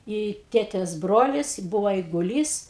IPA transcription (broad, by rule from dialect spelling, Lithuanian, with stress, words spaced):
ɪ ˈtʲeːtʲeːs ˈbroːlʲɪs ˈbʊʋoː ɛɪɡʊˈlʲiːs